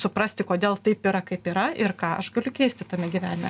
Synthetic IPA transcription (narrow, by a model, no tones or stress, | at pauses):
sʊpɾɐsʲt̪ʲɪkoːd̪ʲeːlˠt̪ɐɪpiːɾɐkɐɪpiːɾɐɪrkɑːʔɐ̰ʃɡɐlʲʊkʲɛɪsʲt̪ʲɪt̪ɐmʲɛɡʲiːʋʲæːnʲɪmʲɛ